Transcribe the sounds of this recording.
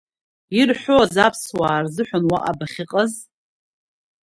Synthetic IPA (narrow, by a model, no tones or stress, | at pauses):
irħᶣʷozapʰswaːrzɨħʷᶣanwaʔa̰baχʲɪqʼəz